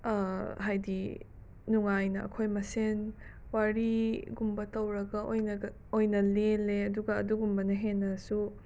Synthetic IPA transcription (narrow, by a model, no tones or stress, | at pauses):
ɦajdi | nuŋajnɐʔɐ̰kʰojmɐsen | waɾiɡumbɐtɐwɾɐɡɐʔojnɐɡɐ | ojnɐleleɐduɡɐːduɡumbɐnɐɦenːɐsu